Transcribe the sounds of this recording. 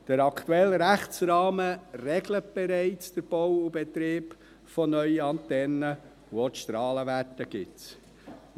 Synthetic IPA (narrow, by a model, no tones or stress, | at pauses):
d̥əɾɑkt̪uɛləɾæχt͡sɾɑːmərɛɡlət̚b̥ɛɾɛɪt͡sd̥əɾb̥ɔwʊbɛt̪ɾeːb | fɔnœʏəɑnt̪ɛnə | uotʃt̪ɾɑːləvætəɡ̥ɪts